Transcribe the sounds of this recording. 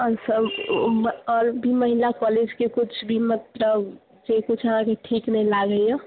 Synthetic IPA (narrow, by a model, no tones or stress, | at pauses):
ɦɔɾsəb | ɔɾbʱiməɦilakɔled͡ʒkekʊt͡ʃʰbʱimət̪ləb | d͡ʒekʊt͡ʃʰəɦãkeʈʰiːknəilaɡəjjɔ